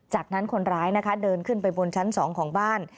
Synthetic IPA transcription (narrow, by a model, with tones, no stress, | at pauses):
t͡ɕaː˨˩k̚na˦˥nkʰo˧nɾaː˦˥jna˦˥kʰa˦˥dɤː˧nkʰɯ˥˩npa˧jbo˧nt͡ɕʰa˦˥nsɔː˩˦ŋkʰɔː˩˦ŋbaː˥˩n